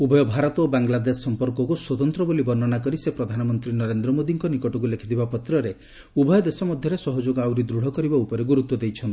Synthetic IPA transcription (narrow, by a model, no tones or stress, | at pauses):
ubʱɔjɔbʱaɾɔt̪obaŋlad̪esːɔmpɔɾkɔkuswɔt̪ɔnt̪ɾɔbolibɔnːɔnakɔɾisepɾɔd̪ʱanɔmɔnt̪ɾinɔɾend̪ɾɔmod̪iŋkɔnikɔʈɔk̬ulekʰit̪ʰibapɔt̪ɾɔɾe | ubʱɔjɔd̪esɔmɔd̪ʱjɔɾesɔɦɔd͡ʒoɡawɾid̪ɾuɽ̤ɔkɔɾibaupɔɾeɡuɾut̪wɔd̪ejt͡ʃʰɔnt̪ii̥